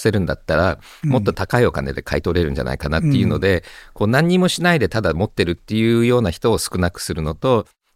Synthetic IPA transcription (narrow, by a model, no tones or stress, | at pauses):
se̞ɾɯ̟̃nd̪at̪ːaɾa | mo̞t̪ːo̞t̪akaio̞ka̰ned̪e̞kʰa̰it̪o̞ɾe̞ɾɯ̟̃ɲ̟d͡ʑa̰nʔa̰ikanat̪ːe̞jɯ̟ːno̞d̪e̞ko̞ːnãɲ̟ːimo̞ɕinaid̪e̞t̪ad̪amo̞t̪ːe̞ɾɯ̟t̪ːe̞jɯ̟ːjo̞ːnaçi̥t̪oːsɨ̥kɯ̟nakɯ̟̥sɨɾɯ̟no̞t̪o̞